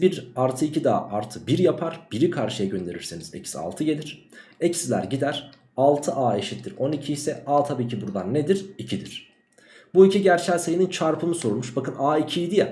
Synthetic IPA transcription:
biɾaɾt̪ʰɯicʰid̪a̰ːʔaɾt̪ʰɯbiɾjapʰaɾb̥iɾikʰaɾʃɯjaɟø̞nd̪e̞ɾiɾsenizɛ̰csia̰lˠt̪ʰɯɟe̞lʲiɾ̥ | ɛcsilʲæ̰ɾɟid̪æɾ̥ | alˠt̪ʰɯʔaːe̞ʃit̪ːiɾo̞nicʰisɛaːt̪ʰabiːcʰibuɾd̪anːed̪iɾicʰid̪iɾ̥ | buicʰiɟæɾt͡ʃʰælʲsejinint͡ʃʰaɾpʰɯmɯsoɾulˠmuʃbakɯnaːicʰiːd̪ijɛ

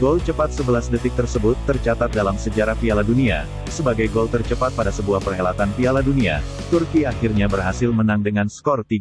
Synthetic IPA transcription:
ɡɔlt͡ʃəpat̪̚səbəlasdət̪ɪk̚t̪ərsəbʊt̪ːərt͡ʃat̪at̪̚dalamsəd͡ʒaɾahfialadunia̰ | səbaɡajɡɔlt̪ərt͡ʃəpat̪̚padasəbuahpərɦelat̪anfialadunia | t̪urkiaxɪrɲabərɦasɪlmənaŋdəŋanskɔrt̪i

